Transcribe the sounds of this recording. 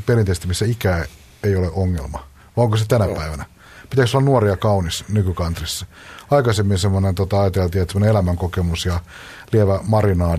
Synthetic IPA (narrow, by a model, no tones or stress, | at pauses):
perint̪eist̪imisːæikæː | eijoleʔoŋːḛlmɑ | ʋɑoŋkoset̪ænæpæiʋænæ | pit̪æksolːɑnuoriɑkɑunisnykykɑnt̪risːɑ | ɑikɑsemːinsemːonent̪ot̪ɑɑjɑt̪elt̪iːet̪semoneelæmæŋkokemusjɑ | lieʋæmɑrinɑː